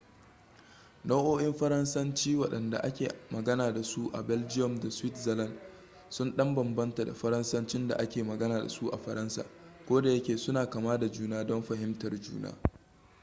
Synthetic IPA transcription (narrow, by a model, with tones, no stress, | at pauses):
na˦ʔoː˦ʔɪ˦mɸɐ˦ɾɐ˦nsɐ˦nt͡ʃiː˦wɐ˨ɗɐ˨nda̰˨ʔa˦kʲeː˨mɐ˨ɡɐ˦naː˨da˨su˦ʔa̰˨bɛ˦ld͡ʒɪ˦jɔ˨mda˨swɪ˦tzɐ˨lɐ˦˨n | sʊ˦nɗɐ˦mbɐ˨mbɐ˦nta˨da̰˨ɸɐ˦ɾɐ˦nsɐ˦nt͡ʃɪ˦nda̰˨ʔa˦kʲeː˨mɐ˨ɡɐ˦naː˨da̰˨su˦ʔa̰˨ɸɐ˨ɾɐ˦nsa̰ː˨kʷoː˦da˨jɐ˦kʲeː˨sʊ˦naː˨kaː˨maː˦da˨d͡ʒuː˦naː˦dɔ˦mɸɐ˨ɦɪ˦mtɐ˨rd͡ʒṵː˦na̰ː˦